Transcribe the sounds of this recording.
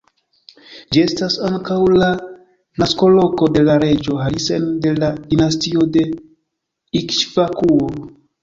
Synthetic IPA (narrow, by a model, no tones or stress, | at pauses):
d͡ʒie̞stasaŋkawla | nasko̞lo̞ko̞de̞laɾe̞d͡ʒo̞ɦalise̞nde̞ladinastiode̞ | ikʃvakuo